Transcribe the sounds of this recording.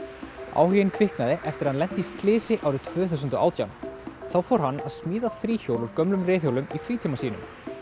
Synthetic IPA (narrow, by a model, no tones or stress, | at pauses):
a̰ːwhijɪnkʰvɪhknaðɪʔɛft̪ɪɾḁhanlɛn̥t̪ɪist̪lɪːsɪʔaːwɾɪt̪ʰv̥œːθaws̬ʏnt̪ʏʔa̰wt̪ja̰nθawfowɾ̥hanːaðsmiːðaθɾiːçowlɔɾkœmlʏmreːθhjowlʏmifɾiːt̪ʰiːmasiːnʏ̰m